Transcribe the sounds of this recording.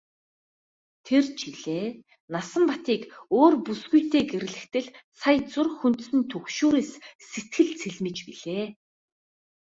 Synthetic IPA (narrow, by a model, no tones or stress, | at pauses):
t̪ʰert͡ɕiɮeː | nasə̆mpat̪iːkoːrpusɡujt̪eːɡeɾɘ̆ɮɘ̆kt̪ɘ̆ɮsajt͡sʊrxunt̪̆sɘ̆nt̪ʰɵkʃuːɾeːsset̪̚ɡɘ̆ɮt͡sʰeɮmɘ̆t͡ɕpiɮ̥eː